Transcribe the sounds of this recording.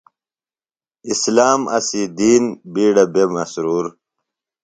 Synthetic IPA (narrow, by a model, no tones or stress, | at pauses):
islaːmɐ̰sid̪iːnbiːɽɐbemɐsɾuːɾ